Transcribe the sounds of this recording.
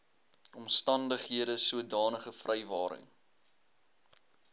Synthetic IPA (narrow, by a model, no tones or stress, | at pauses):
ɔmstɐndəχɦiədəsuədɑːnəχəfrɛjvɑːɾə̰ŋ